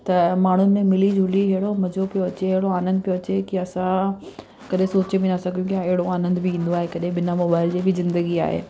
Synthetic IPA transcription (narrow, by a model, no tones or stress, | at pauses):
t̪ɐmaːɳ̤ʊnɪ̆emɪlid͡ʑʱʊliɦɐɦɪɽomɐd͡ʑopijoɐt͡ɕeɐɦɪɽoaːnə̃nd̪ɪpijoɐt͡ɕekiɐsã | kɐɗɦẽsoːt͡ɕebinɐsɐɡʱjũkijaɪɦɪɽoaːnə̃nd̪bɪĩːn̆d̪oaːɦekɐɗɦẽɓɪnamoːbaːɪld͡ʑibɪzɪ̃nd̪əɡia̰ːɦḛː